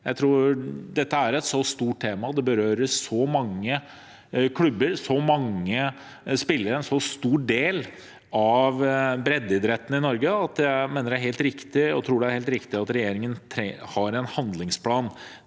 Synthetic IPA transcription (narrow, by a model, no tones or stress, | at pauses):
jæɪt̪ʰɾuːd̪ɛt̪ːəæɾɛt̪sɔst̪uːʈ̚ʈ̪ʰeːmɑd̪ɛbəɾøːɾəʂɔmɑŋːə | kʰɽʉbːəɾsɔmɑŋːə | spɪlːəɾəɛnsɔst̪uːɖeːl | ɑʋbɾɛd̪ːɪd̪ɾɛt̪ːən̩ɪnɔɾɡəɑt̪ʰjæɪmeːnəɖæɾɦeːlt̪ɾɪkt̪ɪɔ̰t̪ʰɾuːɖɛæɾheːlt̪ɾɪkt̪ɪɑt̪ɾɛjeːɾɪŋənt̪ʰɾɛhɑɾɛnhɑnd̪lɪŋspʰlɑːn